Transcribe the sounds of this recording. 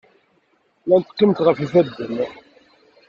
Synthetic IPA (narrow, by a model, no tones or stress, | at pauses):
lænt̪ːə̥qːimt̪ʁəfiθæd̪ːən